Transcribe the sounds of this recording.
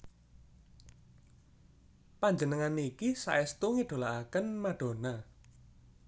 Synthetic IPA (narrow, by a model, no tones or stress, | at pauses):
paɲd͡ʒənəŋanikisa̰ʔɛst̪uŋiɖ̥o̤laʔakənmaɖ̥o̤na